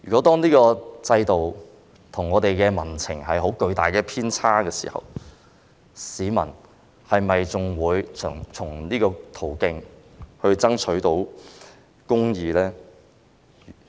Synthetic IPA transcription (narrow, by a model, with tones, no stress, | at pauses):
jy̰ː˨kɔː˨˥t̪ɔː˥ŋniː˥kɔː˧t͡sɐ˧jt̪o˨w | t̪ʰʊ˨˩ŋːɔː˨˧t̪e˨jkɛː˧mɐ˨˩nt͡sʰɪ˨˩ŋhɐ˨jɦo˨˥wkɵ˧ɥt̪aː˨˩jkɛː˧pʰiː˥nt͡sʰaː˥kɛː˧sḭː˨˩hɐ̰˨w | siː˨˧mɐ̰˨˩n | hɐ˨jmɐ˨jt͡sʊ˨˩ŋwuː˨˧jʰŋt͡sʰʊ˨˩ŋniː˥kɔː˧t̪ʰo˨˩wkɪ˧ŋ | hɵ˧ɥt͡sɐ˥ŋt͡sʰɵ˨˥ɥt̪o˨˥w | kʊ˥ŋjiː˨˧lɛː˥˨